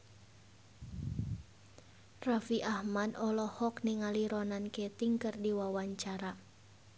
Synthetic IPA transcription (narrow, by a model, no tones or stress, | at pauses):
rafiʔahmadɔlɔhɔkniŋaliɾɔnankɛt̪iŋkɨrdiwawaɲt͡ʃaɾa